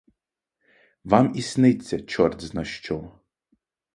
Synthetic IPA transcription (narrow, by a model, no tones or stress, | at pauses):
ʋɑmisnɪt͡sʲːɐt͡ʃɔrt̪znɐʃt͡ʃɔ